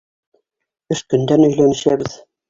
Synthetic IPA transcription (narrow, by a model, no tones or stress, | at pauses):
ɵʃkɵ̆nd̪ænɵ̆jlænɘ̆ɕæbɘ̆z